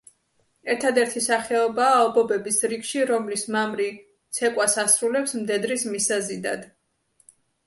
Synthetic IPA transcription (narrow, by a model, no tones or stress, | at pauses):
ɛɾt̪ʰad̪ɛɾt̪ʰisaχɛɔbaːɔbɔbɛbisɾikʃiɾɔmlismamɾi | t̪sʰɛkʼwasasɾulɛpsmd̪ɛd̪ɾismisazid̪a̰d̪